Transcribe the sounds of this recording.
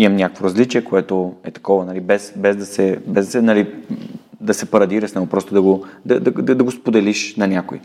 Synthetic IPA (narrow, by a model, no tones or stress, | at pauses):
imɐmnʲakəkvoɾɐzlit͡ʃiɛkoɛt̪oɛt̪ɐ̥kɔvɐnɐlibɛsbɛzd̪ɐsɛbɛzd̪ɐsɛnɐli | d̪ɐsɛpɐɾɐd̪iɾɐsnɛɡopɾɔst̪od̪ɐɡod̪ɐd̪ɐd̪ɐd̪ɐɡospod̪ɛliʃnɐnʲako̰i